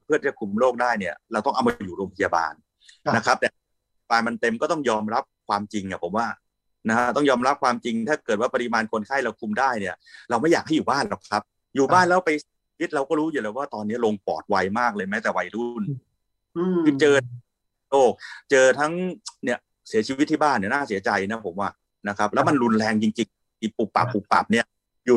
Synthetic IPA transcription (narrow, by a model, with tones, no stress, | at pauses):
pʰɯ˥˩t̪ʰi˦t͡ɕa˩kʰu˧mloː˥˩k̚daː˥˩jni˥˩ɐɾa˧wt̪ɔ˥˩ŋʔa˧wma˧juː˨˩ɾoː˧mpʰa˧ja˧ba̰ː˧n | na˦˥kʰa˦˥p̚t̪ɛː˨˩ | paː˧ma˧nt̪e˧mkɔː˥˩t̪ɔ˥˩ŋjɔː˧mɾa˦˥p̚kʰwaː˧mt͡ɕi˧ŋni˨˥˩pʰo̰˩˦waː˥˩ | na˦˥kʰa˦˥t̪ɔ˥˩ŋjɔː˧mɾa˦˥p̚kʰwaː˧mt͡ɕi˧ŋt̪ʰaː˥˩kɤː˨˩t̪̚waː˥˩pa˧ɾi˧maː˧nkʰo˧nkʰaː˥˩jla˧kʰu˧mdaː˥˩jni˥˩ɐɾa˧wma˥˩jaː˨˩k̚ha˥˩juː˨˩baː˥˩nlɔ˨˩kʰa˦˥p̚ | juː˨˩baː˥˩nlɛː˦˥wpa˧jwi˦˥t̪̚ɾa˧wkɔː˥˩ɾuː˦˥juː˨˩lɛː˧˩waː˥˩t̪ɔː˧nːi˦˥ɐ˨lo˧ŋpɔ̰ː˨˩t̪̚wa˧jmaː˥˩k̚lɤː˧jmɛː˦˥t̪ɛː˨˩wa˧jɾu˥˩n | i˧˩t͡ɕɤː˧ | loː˥˩k̚t͡ɕɤː˧t̪ʰa˦˥ŋni˥˩ɐ | si˨˩˦t͡ɕʰi˧˦t̪ʰːiː˥˩baː˥˩nːi˥˩ɐnaː˥˩si˨˩˦ɐt͡ɕa˧jna˦˥pʰo˩˦mwaː˥˩ | na˦˥kʰa˦˥p̚lɛː˦˥wma˧nɾu˧nlɛː˧ŋt͡ɕi˧ŋt͡ɕi˧ŋ | i˧˩pu˨˩p̚pːa̰˨˩pːu˨˩k̚pa̰˨˩p̚ni˥˩ɐ | juː˨˩